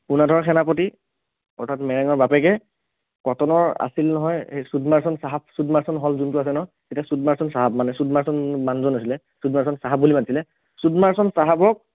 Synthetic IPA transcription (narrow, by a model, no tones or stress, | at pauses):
punadʱɔɹxʰɛnapɔti | ɔ̰ɹtʰatmɛɹaŋɔɹbapɛkɛ | kɔtɔnɔɹa̰silnɔɦɔjsudmaɹsɔnsaɦap̚sudmaɹsɔnɦɔlzuntuas̬ɛnɔ | etasudmaɹsɔnsaɦap̚manɛsudmaɹsɔnbanzɔnasilɛ | sudmaɹs̬ɔnsaɦab̚bulimatisilɛ | sudmaɹsɔnsaɦabɔk̚